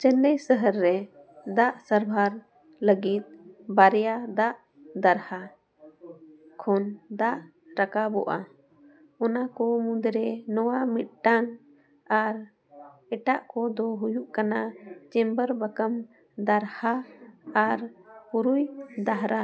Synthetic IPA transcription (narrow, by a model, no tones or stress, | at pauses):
t͡ʃənːəjsəɦəɾːɛ | d̪aʔsəɾbʱaɾ | ləɡit̪̚baɾjad̪aʔ | d̪aɾha | kʰɔnd̪aʔ | ɾakabɔ̰ʔa̰ | ɔnakɔmud̪ɾɛnɔwamit̪̚ʈaŋ | aɾ | ɛʈaʔkɔd̪ɔɦujuʔkanat͡ʃɛmbəɾbəkəm | d̪aɾhaː | ɾpuɾujd̪aɦɾa